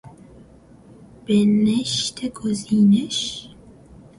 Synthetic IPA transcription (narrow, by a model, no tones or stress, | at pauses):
b̥eneʃt̪ʰeɡoziːneʃ